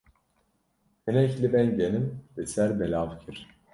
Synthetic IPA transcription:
ynɛclʲibænɟenimvɛsæɾbelʲavcʰiɾ̥

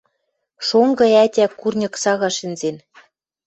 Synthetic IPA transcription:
ʃoŋɡɤ̆ætʲækurnʲɤ̆ksɑɣɑʃɘ̆nzen

